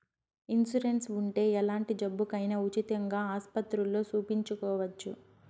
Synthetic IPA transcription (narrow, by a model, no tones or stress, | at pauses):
insuɾe̞nsuɳʈe̞ːɛlaːɳʈid͡ʒɐbːukɐjnɐut͡ʃit̪ɐŋɡaːaːspɐt̪ɾulːo̞ːsuːpiɲt͡ʃukɔːʋɐt͡ʃːṵ